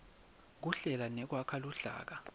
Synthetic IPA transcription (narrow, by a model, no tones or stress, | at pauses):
k̬uɬɛlanɛk̬wakʰaluɬa̰ːk̬a